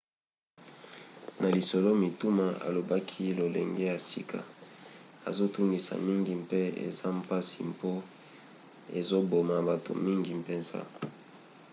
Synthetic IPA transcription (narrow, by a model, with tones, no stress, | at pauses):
nʔa˨li˨so˨lo˦mi˨tu˦ma˨a̰˨lo˨ba˦kʰi˦lo˨lḛ˨ŋɡe˦ja˨si˦kʰa̰˨ | a̰˨zo˦tu˦ŋɡi˨sa̰˨mi˦ŋɡi˨mpe˦ḛ˨za˦m˦pa˦si˨mpo˦ | e˨zo˦bo˨ma˨ba˨to̰˨mi˦ŋɡi˨mpe˨nza̰˦